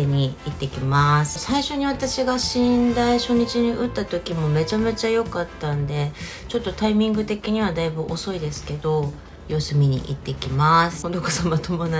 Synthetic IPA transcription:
ɲ̟iit̪ːe̞kʲimasɨ̥saiɕo̞ɲ̟iβat̪aɕiɡaɕĩnd̪aiɕo̞ɲ̟it͡ɕiɲ̟iʔɯ̟t̪ːat̪o̞kʲimo̞me̞t͡ɕame̞t͡ɕajo̞kat̪ːãnd̪e̞ | t͡ɕo̞t̪ːo̞t̪aimʲĩŋɡɯ̟t̪e̞kʲiɲ̟iβ̞ad̪aibɯʔo̞so̞id̪e̞sɨ̥ke̞d̪o̞ | jo̞sɨmʲiɲ̟ḭʔit̪ːe̞kʲimasɨ̥od̪okosamat̪ʰo̞mona

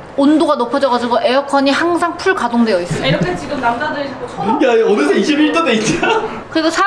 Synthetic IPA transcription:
ondoɡanopʰʌd͡ʑʌɡad͡ʑiɡoʔe̞jʌkʰʌɲihaŋsʰaŋpʰuɭkadoŋdwe̞jʌis͈ʌʌiɾʌkʰet͡ɕiɡɯmnamdadɯɾed͡ʑʰikot͡ɕʰjaʌdis̬ʰʌiɕʰibiɾt͈odeit͈a | kɯɾisʰosʰa

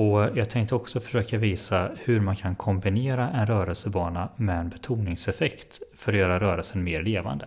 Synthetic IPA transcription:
ɔjɑːɡ̚t̪ʰɛŋk̚t̪əɔksɔfœ̥ʂøːkaviːsahɵɾmankʰankʰɔmbɪneːɾaʔɛnɾœːɾəlsəbɑːnamɛɛnbɛt̪ʰuːnɪŋsɛfɛkt̪fœɾɔjœːɾaɾœːɾəlsənmeːɾleːva̰nd̪ə

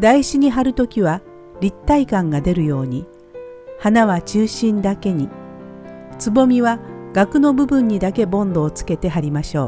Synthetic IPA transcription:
d̪aiɕiɲ̟iɦaɾɯ̟t̪o̞kʲiβa | ɾʲit̪ːaikãŋɡad̪e̞ɾɯ̟jo̞ːɲ̟i | hanaβ̞at͡ɕɨːɕĩnd̪ake̞ɲ̟i | t͡sɨbo̞mʲiβaɡ̥akɯ̟no̞bɯ̟bɯ̟̃ɲ̟ːid̪ake̞bõ̞nd̪o̞ːt͡sɨ̥ke̞t̪e̞ɦaɾʲimaɕo̞ː

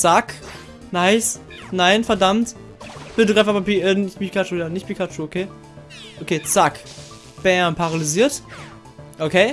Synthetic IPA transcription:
t͡sak | naɪsnaɪnfɛɐdamt | b̥ɪtədɡʁaɪfapapiənɪçpipi̥kʰat͡ʃujaːnɪçtpikʰat͡ʃuokʰeː | ʔokʰeːt͡sak | b̥ɛːɐnpʰaʁaliziːɐt | ʔokʰeː

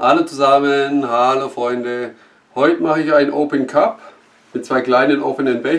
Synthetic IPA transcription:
ʔalot͡suzamənhalofʁ̥ɔʏndə | hɔʏtəmaχəɪçaɪnnʔoːpənkʰap | mɪt̚t͡sv̥aɪkl̥aɪnənʔo̰ːpənənbɛ

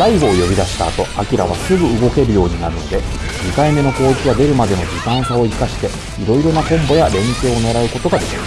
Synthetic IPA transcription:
ɾaiɡo̞ːjo̞bʲid̪aɕi̥t̪a̰ːt̪o̞akʲiɾa̰β̞asɨɡɯ̟ɯɡo̞ke̞ɾɯ̟jo̞ːɲ̟inaɾɯ̟no̞d̪e̞ | ɲ̟ikaime̞no̞ko̞ːikʲijad̪e̞ɾɯ̟mad̪e̞no̞d͡ʑit̪ãɰ̃sao̞ikaɕi̥t̪e̞ | iɾo̞iɾo̞nakõ̞mbo̞jaɾẽ̞ŋke̞ːo̞ne̞ɾaɯ̟ko̞t̪o̞ɡad̪e̞kʲiɾ̥

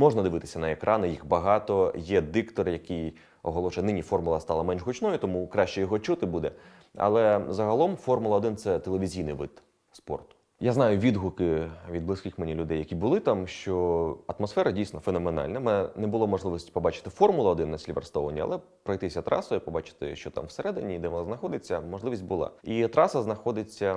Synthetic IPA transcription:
mɔʐnɐd̪ɪʋɪt̪ɪ̥sʲɐnɐekɾʔɑnɪjixbɐɦɑt̪ɔjɛd̪ɪkt̪ɔrjɐkɪj | ɔɦɔlˠɔʃʊjnɪnʲifɔrmʊlˠɐst̪ɑlˠɐmɛnʒɦʊt͡ʃnɔjʊt̪ɔmukɾɑʃt͡ʃɛjɔɦɔt͡ʃut̪ɪbud̪ɛ | ɐ̰lˠɛzɐɦɐlˠɔmfɔrmʊlˠɐɔd̪ɪnt̪sɛt̪elˠeʋʲizʲijnɪ̰jʋɪ̰t̪ | spɔ̰rt̪ʊ̥ | jaznɑjʊʋʲid̪ɦʊkɪʋʲid̪̚blˠɪsʲkɪxmenʲilʲʊd̪ɛjːɐkʲibʊlˠɪt̪amʃt͡ʃɔɐt̪mɔsfɛɾɐdʲijsʲnɔfenɔmenɑ̰lʲnɐmɛɛnɛbʊlˠɔmɔʐlɪʋisʲtʲi̥pɔbɑt͡ʃɪ̥t̪ɪfɔrmʊlˠɐɔd̪ɪnːɐsʲlʲiʋɐ̰rst̪ɔʋɐnʲːḭɐ̰lˠɛ | pɾɔjt̪ɪsʲɐt̪ɾɑ̰sɔjipɔbɑt͡ʃɪ̥t̪ɪ̰ʃt͡ʃɔt̪a̰mwseɾɛd̪ɪnʲid̪ɛʋɔnaznɐxɔd̪ɪt͡sʲːɐmɔʒlˠɪʋʲisʲtʲbʊlˠɑ̰it̪ɾɑsɐznɐxɔd̪ɪt͡sʲːɐ

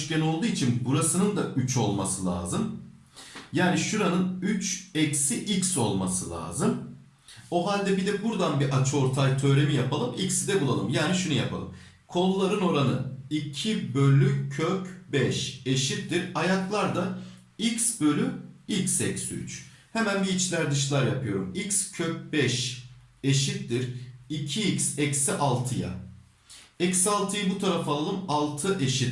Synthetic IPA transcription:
ʃcɛno̞lˠd̪uːit͡ʃʰinbuɾasɯnɯnd̪aʔyt͡ʃʰo̞lˠmasɯlʲˠa̰ːzɯm | jaːniʃuɾanɯnyt͡ʃɛcsiʔicso̞lˠmasɯlʲˠa̰ːzɯm | o̞ɦalʲd̪ɛbid̪ɛbuɾd̪anbiʔat͡ʃʰo̞ɾt̪ʰajt̪ʰø̞ːɾe̞mijapʰalˠɯmicsid̪ɛbulˠalˠɯmjaːniʃunuja̰pʰalˠɯm | kʰo̞lˠulˠaɾɯno̞ɾanɯ̰icʰibølʲːycʰøcbɛʃeʃit̪̚diɾajaklˠaɾd̪a | icsbø̞lʲyicsɛcsy̰t͡ʃ | hemænbiit͡ʃlʲæɾd̪ɯʃ̬lˠaɾjapʰɯjo̞ɾumicscʰøc̚bɛʃeʃit̪d̪iɾicʰiicsɛcsiʔalˠt̪ʰɯja̰ | ɛcsalˠt̪ʰɯjɯbut̪ʰaɾafalˠalˠɯmalˠt̪ʰɯʔeʃit̪

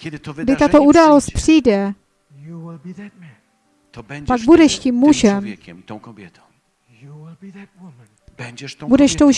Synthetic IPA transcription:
ɡdɪt̪at̪oʔudaːlost̪̚pr̥ijdɛ | paɡ̚budɛʃciːmːuʒɛm | budɛʃt̪owʒ

